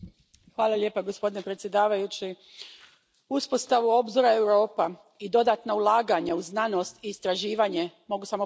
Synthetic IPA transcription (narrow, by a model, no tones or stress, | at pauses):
xʋaːlˠalje̞ːpaɡo̞spo̞d̪inepɾe̞t̪sje̞d̪aːʋajut͡ɕi | uspo̞st̪aʋuo̞bzoɾae̞wɾo̞ːpa | id̪o̞d̪at̪naulˠaːɡaɲauznano̞st̪iːst̪ɾaʒiːʋaɲe̞mo̞ɡusamo